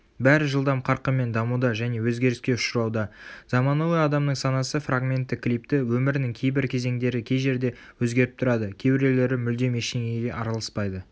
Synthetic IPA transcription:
bæɾɪʒəlˠd̪ɑmqʰɑɾqəme̞nd̪ɑmud̪ɑʒæne̞wɵzɡʲe̞ɾɪskʲe̞ʊʃəɾɑwd̪ɑz̥ɑmɑnuweɑd̪ɑmnəɴsɑnɑsəfraɡmʲe̞nt̪ːɪkːlijp̚t̪ɪwɵmɪɾɪnɪŋkʲʰe̞jbɪɾkʲʰe̞ze̞ŋd̪e̞ɾɪkʲʰe̞jʒe̞ɾd̪e̞ | wɵzɡʲe̞ɾɪp̚t̪ʰʊɾɑd̪əkʲʰe̞bɪɾe̞le̞ɾɪmʏld̪e̞meʃeŋeɡʲeʔɑɾɑlˠɑspɑjd̪ə

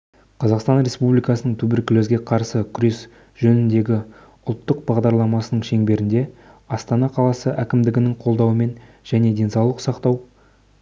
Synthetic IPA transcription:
qʰɑzɑqst̪ɑnɾʲe̞spublʲijkɑsənəɴt̪ʰɵbɪɾkʲʰʏlɵzɡʲe̞qʰɑɾsəkʲʰʏɾe̞s | ʒɵnɪnd̪e̞ɡʲɪ | ʊlˠt̪ːəq̚bɑʁd̪ɑɾlˠɑmɑsənəɴʃe̞ŋbe̞ɾɪnd̪e̞ | ɑst̪ɑnɑqʰɑlˠɑsəʔækʲɪmd̪ɪɡʲɪnɪŋqʰo̞lˠd̪ɑwəme̞n | ʒ̥æne̞d̪e̞nsɑwlˠəqsɑqt̪ɑw

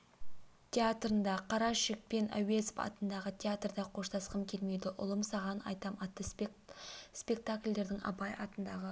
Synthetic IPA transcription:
t̪ʲʰeat̪rənd̪ɑqʰɑɾɑʃɪk̚pe̞næ̰we̞zpɑ̰t̪ənd̪ɑʁət̪ʰʲeat̪rd̪ɑqʰo̞ʃt̪ʰɑsqəmkʲʰe̞lme̞jd̪ɪʔʊlˠəmsɑʁɑnɑ̰jt̪ɑmɑt̪ːə | spʲe̞k̚t̪akʲlʲd̪e̞ɾd̪ɪŋɑ̰pɑjɑt̪ənd̪ɑʁə

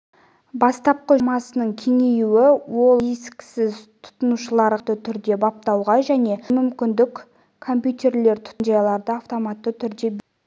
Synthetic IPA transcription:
bɑst̪ɑp̚qəmɑsənəɴkʲʰe̞ŋe̞juwɪwo̞lˠeskʲsɪzt̪ʰʊ̥t̪ənuʃəlˠɑɾt̪ət̪ʰʏɾd̪e̞bɑp̚t̪ɑwʁɑʒæne̞mʏmkʲɪnd̪ɪk | kʰo̞mpʲjut̪e̞ɾle̞ɾt̪ʰʊ̥t̪ənd͡ʒɑjɑlˠɑɾd̪əɑft̪o̞mat̪ːət̪ʰʏɾd̪e̞b

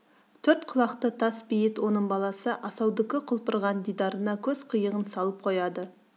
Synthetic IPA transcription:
t̪ʰɵɾt̪qʰʊlˠɑqt̪ət̪ʰɑsbijɪt̪wo̞nəɴbɑlˠɑsəʔɑsɑwd̪ɪkʲɪqʰʊlˠpəɾʁɑnd̪ijd̪ɑɾənɑkʲʰɵz̥qʰəjəʁənsɑlˠəp̚qʰo̞jɑd̪ə

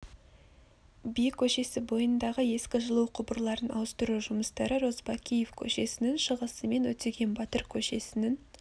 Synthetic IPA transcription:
bijkʲʰɵʃe̞sɪbo̞jənd̪ɑʁəje̞skʲɪʒəlˠuwqʰʊbəɾlˠɑɾənɑ̰wəst̪əɾuʒʊməst̪ɑɾəɾo̞zbɑkʲʰije̞fkʲʰɵ̰ʃe̞sɪnɪŋʃəʁəsəme̞nwɵt̪eɡʲe̞nbɑt̪əɾkʲʰɵʃe̞sɪnɪŋ

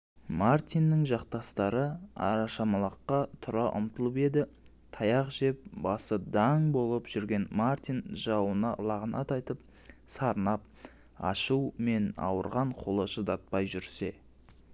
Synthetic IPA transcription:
mart̪inːɪŋʒɑqt̪ɑst̪ɑɾəɑ̰ɾɑʃɑmɑlˠɑqːɑt̪ʰʊɾɑʔʊ̰mt̪əlˠəpe̞d̪ɪ | t̪ʰɑjɑqʒe̞p̚bɑsəd̪ɑŋbo̞lˠəpʒ̥ʏɾɡʲe̞nmart̪ijnʒɑwənɑ̰lˠɑʁənɑt̪ɑjt̪əp̚ | sɑɾnɑp̚ | ɑ̰ʃuwme̞nɑ̰wəɾʁɑɴqʰolˠəʒəd̪ɑt̪̚pɑjʒʏɾse̞

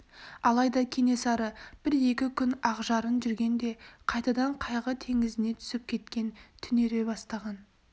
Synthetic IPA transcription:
ɑlˠɑjd̪ɑkʲʰe̞ne̞sɑɾəb̥ɪɾje̞kʲɪkʲʰʏnɑʁʒɑɾənʒʏɾɡʲe̞nd̪e̞qʰɑjt̪ɑd̪ɑɴqʰɑjʁət̪ʰe̞ŋɪzɪne̞t̪ʰʏ̥sɪp̚kʲʰe̞t̪kʲe̞nt̪ʰʏneɾe̞bɑst̪ɑʁɑn

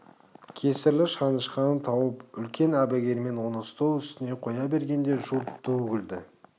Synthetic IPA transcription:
kʲʰe̞sɪɾlɪʃɑnəʃqɑnt̪ʰɑwəpʏlkʲe̞næbæɡʲe̞ɾme̞nwonəst̪owʏst̪ɪne̞qʰo̞jɑbe̞ɾɡʲe̞nd̪e̞ʒulˠt̪ʰɵɡʲɪld̪ɪ

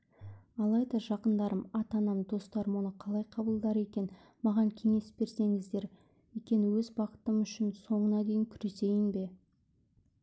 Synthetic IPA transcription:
ɑlˠɑjd̪ɑʒɑqənd̪ɑɾəmɑt̪ɑnɑmd̪o̞st̪ɑɾmwonəqʰɑlˠɑjqʰɑbəlˠd̪ɑɾe̞kʲe̞n | mɑʁɑŋkʲʰe̞ŋe̞sbe̞ɾse̞ŋɪzd̪e̞ɾ | wejkʲe̞nɪwɵzbɑqə̥t̪əmʏʃɪnso̞ɴənɑd̪e̞jɪŋkʲʰʏɾe̞se̞jɪnbe̞

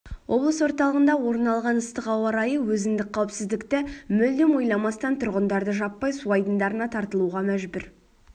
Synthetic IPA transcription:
wʔo̞blˠəswo̞ɾt̪ɑlˠəʁənd̪ɑwo̞ɾənɑlˠʁɑnəst̪əqɑwɑɾɑjəwɵzɪnd̪ɪk̚qʰɑwɪpsɪzd̪ɪkt̪ɪmɵld̪ɪmo̞jlˠɑmɑst̪ɑnt̪ʰʊɾʁənd̪ɑɾd̪əʒɑpːɑjsuɑjd̪ənd̪ɑɾənɑt̪ʰɑɾt̪əlˠuʁɑmæʒbɪɾ

